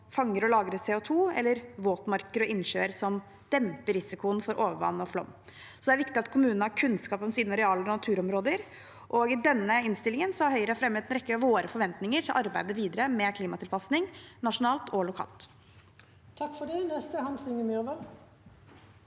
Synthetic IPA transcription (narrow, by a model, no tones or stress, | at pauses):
fɑŋːəɾɔlɑːɡɾəsɛːʊt̪ʰuːɛ̰lːəɾʋoːt̪mɑɾkəɾɔʔɪnʃøːɾsɔm | d̪̥ɛmpəɾɪsɪkʊənfɔɾʔoːʋəɾʋɑ̰nːɔflɔ̰mː | sɔd̪ɛæɾʋɪkt̪ɪɑt̪kʰʊmʉːnnəhɑɾkʰʉnskɑːpəmsiːd̪nɑɾɛɑːləɔnɑt̪ʰʉːɾɔmɾoːd̪əɾ | ʔɔɡɪd̪ɛnːəɪnst̪ɪlɪŋənsɔhɑɾɦœʏəɾəɑfɾɛmheːd̪n̩ɾɛkːəɾɑʋoːɾəfɔɾʋɛnt̪nɪŋəɾʈʰɪlʔɑɾbæɪd̪əʋiːd̪əɾəmɛkʰliːmɑt̪ʰɪlpʰɑsnɪŋnɑʂʊnɑːlt̪ʰɔlʊkʰɑ̰ːlt̪ | t̪ʰɑkfɔɖɛnɛst̪əhɑnsɪŋəmyʋɑ